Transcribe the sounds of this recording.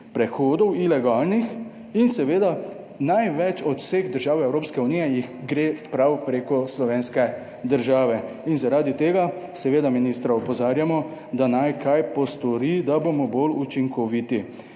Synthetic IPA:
pɾɛxoːd̪ɔwilɛɡaːlnix | insɛʋeːd̪a | najʋɛt͡ʃɔt̪w̥seɣd̪əɾʒaːwɛwɾoːpskɛunijɛjixɡɾefpɾawpɾeːkɔslɔʋeːnskɛ | d̪əɾʒaːʋɛ | inzaɾaːd̪it̪eːɡa | sɛʋeːd̪aminiːst̪ɾaɔpɔzaːɾjamɔ | d̪anajkʰajpɔst̪ɔɾid̪abomɔbolut͡ʃiŋkɔʋit̪i

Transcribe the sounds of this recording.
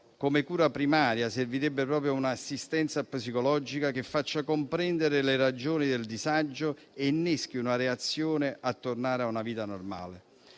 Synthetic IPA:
komɪkuːɾapɾimaːɾjaserviɾɛbːɪpɾɔːpɾjounaːsːist̪ɛnt̪sapsikɔlɔd͡ʒikak̟ɪfːat͡ʃːakompɾɛnd̪eɾɪlɪrad͡ʒoːnid̪eld̪izad͡ʒːʊ | enːɛsk̟iunaɾeat̪sːjoːnɪʔat̪ːornaːɾeaunaviːt̪anorma̰ːle

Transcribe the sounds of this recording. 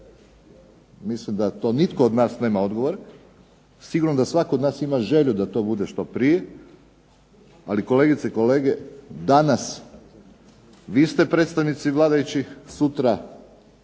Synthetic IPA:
mislimd̪at̪o̞ːnit̪ko̞od̪naːsne̞ːmao̞d̪ɡo̞ʋoɾ | siɡuɾnod̪asʋakod̪naːsimaʒe̞ʎud̪at̪o̞bud̪eʃt̪o̞pɾije̞ | aliko̞le̞ɡit̪seiko̞le̞ːɡed̪anas | ʋiːst̪e̞pɾe̞ːt̪st̪aʋnit̪siʋlˠaːd̪ajut͡ɕisut̪ɾa

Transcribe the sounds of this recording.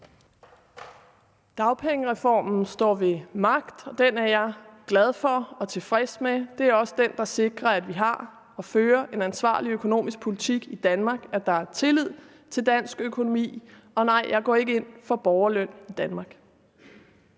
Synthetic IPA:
d̥ɑ̈ʊpʰeŋəʁɛfɒ̰ːmn̩sd̥ɒ̰ːʋe̝mɑ̈ɡ̥d̥ɒ̽d̥enæɐjɑ̈ɪɡ̥læð̞ˠfɒ̽ɒ̽t͡sʰe̝fʁɛsmed̥e̝æɐɒ̽səd̥end̥ɑ̈se̝ɡ̥ʁɐæd̥ʋiɦɑ̈ | ɒ̽føːɐʔe̝nænsʋɑ̰̈ːliøkʰo̝no̝̰ːmisɡ̥̚pʰo̝lit͡sʰiɡ̥id̥ænmɑ̈ːɡ̥æɐd̥ɑ̈æɐt͡sʰe̝lið̞̰ˠ | t͡sʰe̝ld̥æn̰sɡ̥økʰo̝no̝mḭː | ɒ̽nɑ̈ɪ̰jɑ̈ɪɡ̥ɒ̰ːe̝ɡ̥əe̝n̰fɒ̽b̥ɒʊɐlœn̰id̥ænmɑ̈ɡ̥

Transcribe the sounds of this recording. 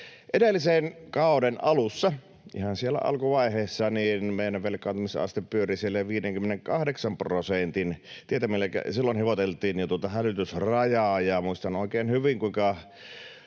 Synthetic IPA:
ʔedelːisenkɑˑodenʔɑlusːɑ | ʔḭhɑnsielːæ̰ʔɑ̰lkuʋɑiheːsːɑniːnmeˑinæʋʋelkːˑɑːnt̪umisɑ̰st̪eppyørisielːæʋiːdeŋkymeneŋkɑhdeksɑmprosent̪in | t̪iet̪æmilːækæ̰silːonheʋot̪elt̪ˑiːnjɑt̪uot̪ɑhælyt̪ysrɑjɑːjɑmuist̪ɑnoˑikeːnhyʋiŋkuiŋkɑ

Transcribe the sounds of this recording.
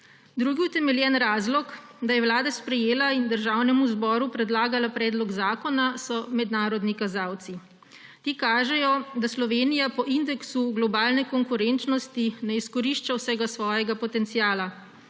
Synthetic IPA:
d̪ɾuːɡiut̪ɛmɛljɛnɾaːzlɔkd̪ajɛwlaːd̪aspɾɛjeːlaind̪əɾʒaːwnɛmuzbɔːɾupɾɛd̪laːɡalapɾɛːd̪lɔɡzaːkɔnasɔmɛd̪naːɾɔd̪nikazawt̪si | t̪iːkaːʒɛjɔd̪aslɔʋeːnijapɔʔind̪ɛksuɡlɔbaːlnɛkɔŋkuɾɛnt͡ʃnɔst̪inɛiskɔɾiːʃt͡ʃawsɛɡasʋɔːjɛɡapɔt̪ɛnt̪siaːla

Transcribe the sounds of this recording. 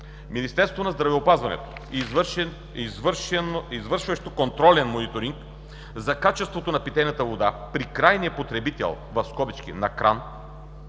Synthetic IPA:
minist̪ɛɾst̪vonɐzd̪ɾɐvɛopazvɐnɛ̰t̪o̥ | vizvɤɾʃvɐʃt̪okont̪ɾɔlɛnmonit̪oɾiŋk | zɐkat͡ʃɛst̪vot̪onɐpit̪ɛjnɐt̪əvod̪apɾikɾajniɐpot̪ɾɛbit̪ɛ̰lˠ | vɐfskɔbit͡ʃk̟ḭnɐkɾʔa̰n

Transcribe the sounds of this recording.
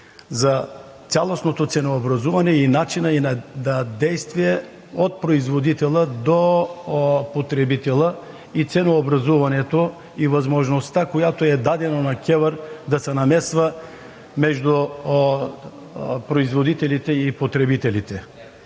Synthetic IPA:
za | t̪sjalˠosnot̪ot̪sɛnoːbɾazuvanɛinat͡ʃinainad̪ad̪ɛjst̪vijɛ | ot̪̚pɾoizvod̪it̪ɛlˠəd̪o | pot̪ɾɛbit̪ɛlˠə | it̪sɛnoːbɾazuvanɛt̪o | ivazmoʒnost̪akojat̪oɛd̪ad̪ɛnonakʲɛvəɾd̪asɛnamɛsva | mɛʒd̪u | pɾoizvod̪it̪ɛlit̪ɛipot̪ɾɛbit̪ɛlit̪ɛ

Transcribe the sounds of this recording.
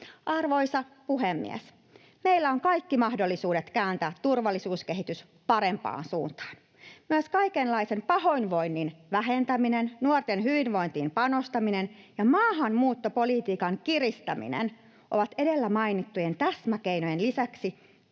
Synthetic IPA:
ʔɑrʋo̞jsɑpuɦemːḭḛs | meijlːæo̞ŋkɑjkːimɑhdo̞lːisuːdet̪kæːnt̪æːt̪ːurʋɑlːisuːske̞ɦit̪ys | pɑɾe̞mpɑ̰ːnsṵːnt̪ɑ̥ːn | myøskɑjkenlɑise̞mpɑɦo̞inʋo̞jnːinʋæɦe̞nt̪æminennuort̪enɦyʋinʋo̞int̪iːmpɑno̞st̪ɑminen | jɑmɑːɦɑnmuːt̪ːopo̞lit̪iːkɑŋkirist̪æmḭnḛn | ʔo̰ʋɑt̪e̞de̞lːæmɑjnit̪ːuje̞nt̪æsmækejnojenlisæksi

